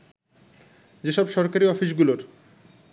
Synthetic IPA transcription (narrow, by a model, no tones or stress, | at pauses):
d͡ʑeʃɔbʃɔɾkaɾiɔfiʃ̬ɡuloɾ